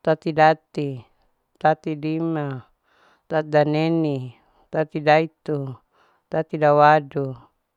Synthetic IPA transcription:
t̪at̪idat̪i | t̪at̪idima | t̪at̪daneni | t̪at̪idait̪u | t̪at̪idawadu

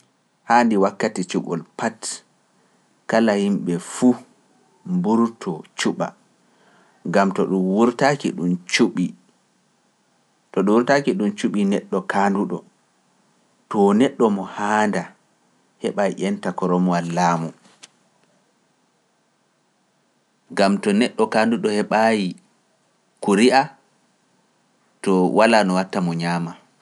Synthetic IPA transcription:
haːndiwakːatit͡ʃuɓɔ̰lpat | kalahimɓɛfu | mbuɾtʰɔt͡ʃuɓa̰ | ŋɡamtɔɗumwuɾtakḭɗumt͡ʃuɓi | tɔɗuwuɾtakiɗumt͡ʃuɓinɛɗːɔkaːnduɗɔ̰ | tɔnɛɗːɔmɔhaːnda | hɛɓajiʔɛntakɔɾɔmɔalːaːmu | ɡamtɔnɛɗːɔkanduɗɔhɛɓaji | kuɾiʔa | tɔwalanɔwatːamɔɲaːma

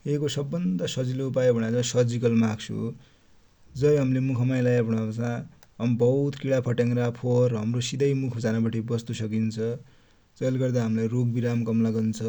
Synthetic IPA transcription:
ekosʌbːʌnd̪asʌd͡ziloupajobʱʌɽ̃ad͡zʌsʌd͡zikʌlmaɡt͡sʰṵ | d͡zʌjɦʌmlemukʰʌmajlajabʱʌɽ̃at͡sʰã | ʌmbʌut̪kiɽapʰʌʈaŋɾapʰorɦʌmrosid̪ʌjmukʰʌd͡zanabaʈʰibʌst̪usʌkint͡sʰʌ | d͡zʌlɡʌrd̪aɦʌmlajroɡ̚biɾamkʌmlaɡʌnt͡sʰʌ

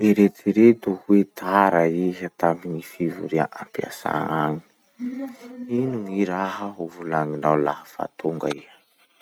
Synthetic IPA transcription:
iɾet̪iɾed̪uhwet̪ʰaɾaiɦat̪ambiɲifivṵɾiaʔampia̰sa̰ŋaŋi̥ | inuŋiɾaɦəɦuvulaŋinawlahəfa̰t̪uŋɡa̰iɦə̥

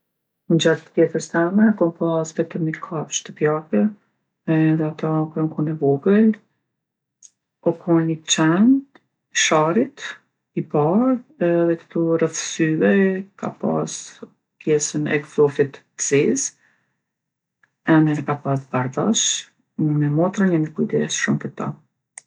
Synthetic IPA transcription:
nd͡ʒat̪əpjɛθəst̪ɛmɛkɔmpasvɛt̪əmikʰaʃt̪əpjakɛ | ðɛat̪akɾɛŋkunɛvɔɡəl | ɔkʰɔnit͡ʃɛnt̪ | ʃaɾit̪ | ipaɾðɛkə̥t̪urəθsyvɛka̰pa̰s | kʰjɛsənɛ̰kfɔfit̪ | ziz | ɛnɛkapasbaɾdaʃ | mɛmɔt̪ɾaɲɛmikujd̪ɛ̰sʃumpəɾt̪a̰

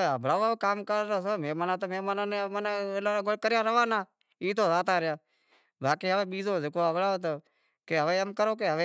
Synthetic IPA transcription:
eɦəbʱlaːʋokaːmkəɾːoːsomeːmaːnaːt̪omeːmaːnãːnemanaːlaːɡʊɽkəɾɪjaːɾəʋaːnaː | iːt̪oːzaːt̪aːɾɪjaː | bʱaːkiːɦəʋeːɓiːzoːzɪkoːəbʱɽaːoːt̪o | keɦəʋeːəmkəɾoːk̬eɦəʋe

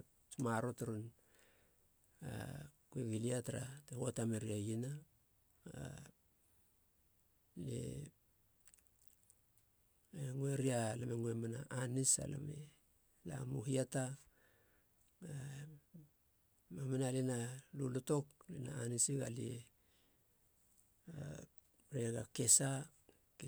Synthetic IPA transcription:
tmaɾotaɾun | a̰kueɡiliataɾa̰tehotameɾiajina | a | lḛ | eŋweɾialameŋwemanaʔanisa̰la̰mḛ | la̰muhiata | a | mamenalenaluloto̞klḛnaanisiɡali | a | ɾeɡake̞sa | k

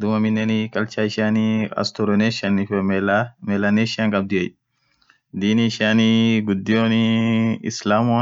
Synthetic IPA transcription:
d̪ʊmɐmɪnːɛnikʼɐlt͡ʃaːɪʃaːniɐ̰st̪ʊɾɔneːʃanːɪf | mɛlaneːʃɪaŋkʼɐb̚d̪ʊɛj | d̪iːniɪʃaːniːɡʊd̪ːɪoːniɪ̰slaːmʊ

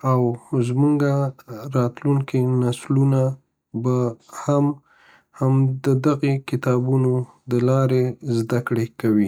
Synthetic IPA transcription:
awzmuŋɡaɾɑt̪luŋkinasluna | baham | hamd̪əd̪aɣekɪt̪ɑbuno | d̪əlɑɾezd̪akɽekawi

